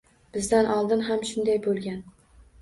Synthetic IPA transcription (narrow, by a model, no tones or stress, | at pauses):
b̥ɪzd̪anʔɒlˠd̪ɪnɦamʃʊnd̪ajbolˠɡʲan